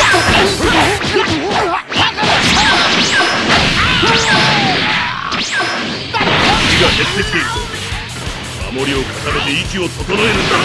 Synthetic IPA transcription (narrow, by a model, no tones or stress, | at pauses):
ikiɡahe̞sekʲi̥t̪eiɾɯt̪o | ma̰mo̞ɾʲio̞kʰakabe̞t̪e̞ikʲio̞sot̪onoeɾɯ̟̃nd̪a